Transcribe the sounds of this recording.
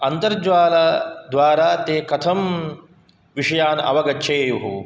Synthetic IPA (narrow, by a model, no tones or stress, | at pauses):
ɐnt̪ɐɾd͡ʒʋaːlɐd̪ʋaːɾaːt̪eːkɐt̪ʰɐm | ʋiʂɐjaːnɐ̰ʋɐɡɐtːʃʰeːjuɦu